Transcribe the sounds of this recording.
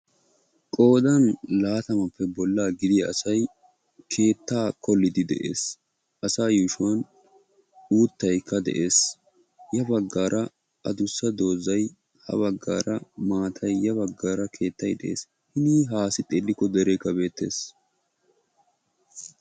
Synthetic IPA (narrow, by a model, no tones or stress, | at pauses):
kʼo̞ːd̪ɐnlaːt̪ɐmɐpːɛbɔlːaːɡɪd̪ɪɐ̰sɐj | kʰe̞ːt̪ːaːkʰɔlːɪd̪ɪd̪ɛ̰ʔḛːs | ʔɐsaːjuːʃʊwɐn | uːt̪ːɐjkʰːɐd̪ɛ̰ʔe̞ːs | jɐbɐɡːaːɾʔɐ | ʔɐd̪ʊsːɐd̪o̞ːzɐj | hɐ̰βɐɡːa̰ːɾɐmaːt̪ʰɐjːɐbɐɡːaːɾɐkʰe̞ːt̪ːɐjd̪ɛʔḛːs | hɪniːɦaːsɪt̪ʼelːɪkːɔd̪ɛɾɛkːɐbe̞ːt̪ːe̞̰ːs